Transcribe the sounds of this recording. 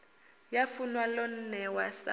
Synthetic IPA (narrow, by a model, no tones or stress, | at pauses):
jafunwalɔn̩nɛwasa̰